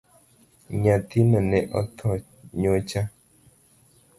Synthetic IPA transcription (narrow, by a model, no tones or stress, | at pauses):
ɲãt̪inanɛʔɔ̰t̪ʰɔ | ɲot͡ʃa